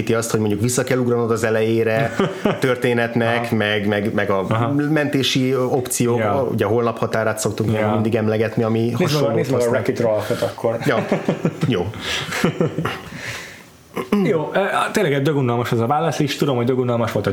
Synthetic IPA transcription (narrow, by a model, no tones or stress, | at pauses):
it̪iɒst̪ho̞ɟmo̞ɲɟukʋisːɒkɛlːuɡrɒnod̪ɒzɛlɛjeːɾɛt̪ørt̪eːnɛt̪nɛkmɛɡmɛɡmɛɡɒmɛnt̪eːʃio̞pt̪sijoːṵɟɛɦo̞lnɒphɒt̪aːɾaːt̪so̞k̚t̪uknemind̪iɡɛmlɛɡɛt̪niɒmihzʃolːneːzmɡɔɾɛkit̪rolfɔt̪ɒkʰːorjɒ | joː | joːøt̪eːnlɛɡɛd̪øɡunɒlmɒʃɛzɒvaːlɒsiʃt̪ud̪o̞mhod̪øɡunɒlmɒʃʋolt̪ɒ